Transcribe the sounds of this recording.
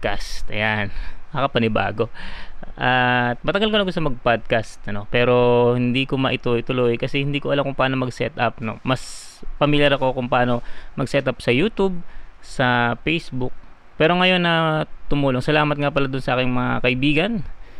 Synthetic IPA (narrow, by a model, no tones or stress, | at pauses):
kast̪ɐ̰janɐkɐpɐnɪba̰ːɡo̞ʔɐt̪̚mɐt̪ɐɡalkonɐkosɐmɐɡ̚pad̪̚kast̪̚ʔɐno̞pɛːɾo̞hɪnd̪iːkomɐʔɪt̪ʊjt̪ʊlojkɐsɛhɪnd̪iːkoʔɐlamkʊŋpaːno̞mɐɡsɛ̰t̪ʔap̚no̞̰mɐspɐmɪljaɾɐko̞kʊŋpɐʔaːno̞mɐɡsɛt̪ʔap̚sɐjuːt̪ub̚sɐpɛjsbʊk̚ | pɛːɾo̞ŋɐjo̞nːɐt̪ʊmuːloŋsɐlaːmɐt̪̚ŋapɐlad̪ʊnsɐʔaːkɪŋmɐŋakɐʔɪbiːɡɐn